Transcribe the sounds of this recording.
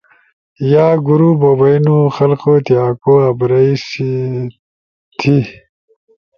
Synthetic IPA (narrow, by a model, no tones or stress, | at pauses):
jaːɡuɾubobɐinuxɐlqot̪ijaːkoːɐbɾɐisi | t̪ʰi